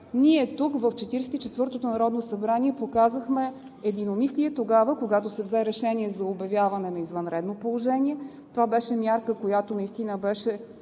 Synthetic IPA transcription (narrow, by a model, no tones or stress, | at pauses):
niɛt̪ukvəft͡ʃɛt̪iɾɛsɛt̪it͡ʃɛt̪vɤɾt̪ot̪onɐɾɔd̪nosɐbɾaniɛpokazəxmɛ | ɛd̪inomisliɛt̪oɡavəkoɡat̪osɛvzɛɾɛʃɛniɛzɐobɐvʲjavənɛnɐizvənɾɛd̪nopolˠoʒɛnʲiɛ | t̪ovabɛʃɛmjaɾkəkojat̪onɐist̪inəbɛʃɛ